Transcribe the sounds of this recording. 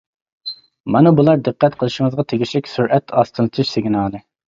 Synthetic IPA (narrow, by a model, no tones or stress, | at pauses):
mɑnɨbulˠɑɾd̪əqːɛt̪qʰəlˠɨʃɪŋəzʁɑt̪ʰeɡʲiʃlɪkʲsuɾʔɛt̪ʰɑst̪ʰɨlˠɨt̪ʰɨʃseɡʲinɑːnɨ